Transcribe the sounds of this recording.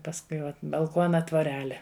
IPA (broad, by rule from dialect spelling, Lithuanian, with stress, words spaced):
pɐsˈkʊɪ ˈʋɐt bɐlˠˈkuɔnɐ tʋoːˈrʲæːlʲɛ